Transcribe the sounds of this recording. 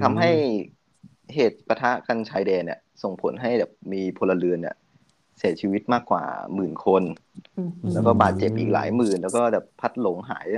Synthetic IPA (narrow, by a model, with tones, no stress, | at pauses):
t̪ʰa˧mɦa˥˩j | heː˨˩t̪̚pa˧t̪ʰa˦˥ʔka˧nt͡ɕʰaː˧˥jdɛː˧nːi˨˩əso˨˩ŋpʰo˩˦nɦa˥˩jbɛː˨˩p̚miː˧pʰo˧lːa˧lɯ˧ənːḭ˨˧˩ | si˨˩˦t͡ɕʰiː˧wi˦˥t̪̚maː˥˩kːwa̰ː˨˩mɯː˨˩nkʰo˧n | lɛː˦˥wkɔː˥˩baː˨˩t̪̚t͡ɕe˨˩p̚ʔiː˨˩k̚la̰ː˩˦jmɯː˨˩nlɛː˦˥wkɔː˥˩bɛː˨˩pʰːa˦˥t̪̚lo˨˩˦ŋɦa̰ː˩˦j